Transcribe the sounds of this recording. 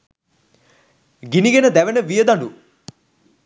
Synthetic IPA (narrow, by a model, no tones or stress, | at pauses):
ɡiniɡenəd̪æʋenəʋijəd̪aɳɖu